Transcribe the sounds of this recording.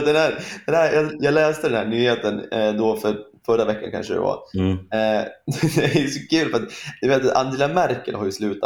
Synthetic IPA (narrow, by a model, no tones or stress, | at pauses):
t̪̚d̪ɛnhæːɾd̪ɛnhæɾjɑːjɑːɡlɛːst̪əd̪ɛnhæːɳyːheːt̪ənd̪ɔfœɾfœɾavɛkːa̰nkʰa̰nʂəd̪ɛ̰va̰ | d̪ɛæjɵsɔkʰʉ̟ːlfœɾat̪d̪ɛveːt̪a̰nd̪ɪlamæɾkə̰lhaɾjʏslʉ̟ːt̪a